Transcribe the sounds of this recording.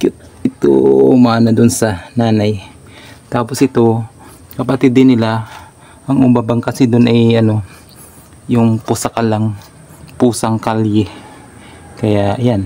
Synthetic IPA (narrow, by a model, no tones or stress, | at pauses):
kʊt̪̚ | ɪt̪o̰ʔʔmaːnɐd̪onsɐnaːnaj | t̪aːposɪt̪o̞ | kɐpɐt̪ɪd̪ːɪnːɪla | ʔɐŋʊmbabɐŋkɐsɪd̪onʔɐjʔɐno̞ | jʊŋpʊsɐkɐlaŋ | puːsɐŋkaljɛ | kɐjaʔjan